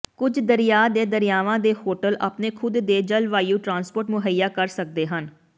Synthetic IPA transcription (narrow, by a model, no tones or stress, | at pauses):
kʊd͡ʒd̪əɾɪjaːd̪eːd̪əɾɪjaːʋãːd̪eːhoːʈəlʔa̰ːpneːkʰʊd̪ːeːd͡ʒəlʋaːijũːʈɾãːnspoːɾʈmʊɦəjaːkəɾsək̚d̪eːɦən